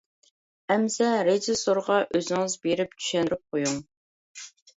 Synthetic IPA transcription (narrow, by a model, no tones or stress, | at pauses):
ɛmsɛɾed͡ʒɪsoɾʁɑʔøzɪŋɨzbeɾɪp̚t͡ʃʰy̥ʃɛndɾyp̚qʰojuŋ